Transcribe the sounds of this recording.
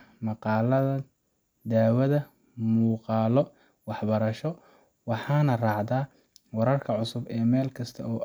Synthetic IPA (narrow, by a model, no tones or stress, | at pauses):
mɑqɑːlɐðɐ | d̪aːwɐðɐ | muːqɑːlɔ | wɑħbɐɾɐʃɔ | wɑħɑːnɐrɑːʕðaː | wɐɾɐrkʰɐʕʊsʊbɛːmɛːlkʰɐst̪ʰɐɔː